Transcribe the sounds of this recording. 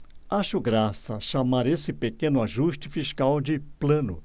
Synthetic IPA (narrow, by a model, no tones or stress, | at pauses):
aʃʊɡɾasɐʃamaɾesɪpekẽnʊaʒuʃt͡ʃɪfiʃkawd͡ʒɪplɐ̃nʊ̰